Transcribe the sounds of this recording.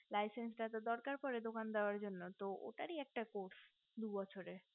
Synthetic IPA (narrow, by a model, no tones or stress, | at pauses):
lajsensʈat̪od̪ɔɾkaɾpɔɾed̪okand̪eoaɾd͡ʑonːot̪oʔo̰ʈaɾiɛk̚ʈakoɾs | d̪ubɔt͡ɕʰoɾe